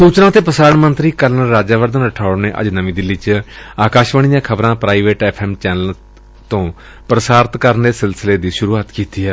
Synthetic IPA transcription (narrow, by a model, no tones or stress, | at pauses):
suːt͡ʃnãːt̪eːpəsaːɾəɳmənt̪ɾiːkəɾnəɾːaːd͡ʒaːʋəɾd̪ənɾəʈʰaːʊneːʔə̰d͡ʒnəʋĩːd̪ɪlːiːt͡ʃaːkaːʃʋəɳ̃ijãːkʰəbɾãːpɾaːiːʋeːʈɛːpʰɛːmt͡ʃɛːnəl | t̪õː | pɾəsaːɾt̪kəɾnd̪eːsɪlsɪleːd̪iːʃʊɾuːaːt̪kiːt̪iːɦɛː